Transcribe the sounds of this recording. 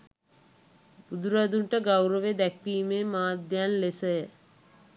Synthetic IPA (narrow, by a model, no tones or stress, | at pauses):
bud̪uɾad̪uɳʈəɡawɾəʋed̪ækːiːmeːmaːd̪janlesəjə